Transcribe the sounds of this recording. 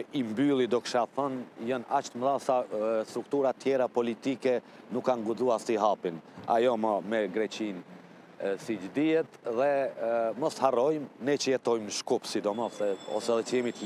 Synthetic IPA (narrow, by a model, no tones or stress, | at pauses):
imbylˠid̪ɔkʃaθənjənat͡ʃt̪əmðasast̪ɾukt̪uɾat̪jɛɾapɔlit̪ikɛ | nukːaŋɡuzuaɾsiɦapina̰jɔmɔmɛɡɾɛt͡ɕin | sid͡ʒd̪iɛt̪ðɛmɔsharɔjmnɛt͡ʃəjɛt̪ɔjmnəʃkupsid̪ɔmɔsɛɔ̰sɛðɛt͡ʃəjɛmit̪